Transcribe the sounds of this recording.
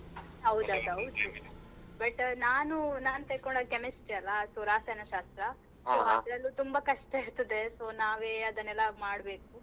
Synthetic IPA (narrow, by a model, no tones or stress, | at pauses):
ɦɐwd̪uɐd̪uɦɐwd̪ubɐʈnaːnunaːnut̪eːkoɳɖokemisʈʈiɐlːɐsuɾaːsɐnɐʃaːst̪ɾɐ | soːɐd̪ɾɐlːut̪umbɐkɐʂʈɐiɾt̪ɐd̪e̞so̞ːnaːʋeːɐd̪ɐnːɛlːɐmaːɽbe̞ːku